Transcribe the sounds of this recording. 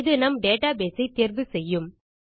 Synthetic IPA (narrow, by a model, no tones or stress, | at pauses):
ðɯnɐmɖeːʈaːbeːsɐɪt̪ːiːɾʋɯsɛjːɯm